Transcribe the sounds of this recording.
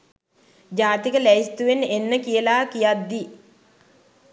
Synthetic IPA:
d͡ʒaːt̪ikəlæist̪uʋenenːəkijəlaːkijat̪d̪i

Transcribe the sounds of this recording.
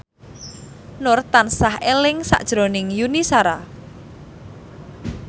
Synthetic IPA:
nʊrt̪ansahelɪŋsa̰ʔd̥ʒ̥ɾonɪŋjunisaɾa

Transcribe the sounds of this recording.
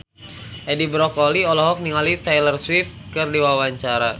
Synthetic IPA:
ʔɛdibɾɔkɔliɔlɔɦɔk̚niŋalit̪ɛjlərswit̪̚kɨrdiwawaɲt͡ʃaɾa

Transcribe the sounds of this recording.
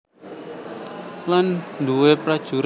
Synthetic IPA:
landuwepɾad̥ʒ̥ṳɾ

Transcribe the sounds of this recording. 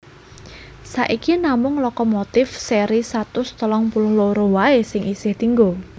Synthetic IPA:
saʔikinamʊŋlɔkɔmot̪ɪfseɾisat̪ʊst̪əlɔŋpulʊhloɾowaesɪŋʔisɪht̪iŋɡo

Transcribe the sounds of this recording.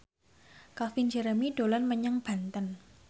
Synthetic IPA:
kafind͡ʒəɾəmiɖ̥o̤lanməɲəŋb̥a̤nt̪ən

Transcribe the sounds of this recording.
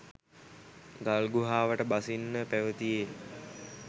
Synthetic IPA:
ɡalɡuɦaːʋəʈəbasinːəpæʋət̪ije

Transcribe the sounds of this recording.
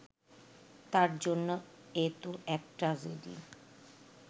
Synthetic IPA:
t̪aɾd͡ʑonːoet̪oʔɛk̚ʈɾad͡ʑedḭ

